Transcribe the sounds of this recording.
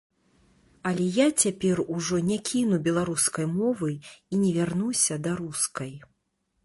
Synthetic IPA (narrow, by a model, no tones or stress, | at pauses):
ɐlʲɛjat͡sʲapʲɛruʐɔnʲɛkʲʰinubʲɛlˠaɾuskɐjmɔvɨinʲɛvʲarnusʲɐd̪ɐɾuskɐj